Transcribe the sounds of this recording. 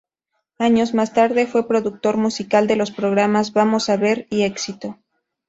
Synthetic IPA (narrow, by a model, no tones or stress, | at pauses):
aɲo̞zmast̪aɾðe̞fwe̞pɾo̞ðuk̚t̪o̞ɾmusikald̪e̞lo̞spɾo̞ɣ̞ɾamazβamo̞saβe̞ɾie̞ksit̪o̞